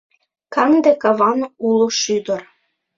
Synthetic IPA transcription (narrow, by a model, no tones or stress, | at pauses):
kɑŋd̪ekɑβɑnulˠoʃyd̪ə̆r